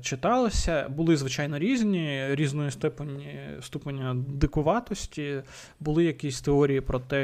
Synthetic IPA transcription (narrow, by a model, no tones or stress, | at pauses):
t͡ʃɪt̪ɑlˠɪsʲɐbʊlˠɪzʋɪt͡ʃɑjnɔɾʲizʲnʲiɾʲiznɔjist̪ɛpnʲist̪upɐnʲːɐd̪ɪkʊʋɑt̪ɔsʲtʲi | bʊlˠɪjɐkʲisʲt̪eɔɾʲijipɾɔt̪ɛ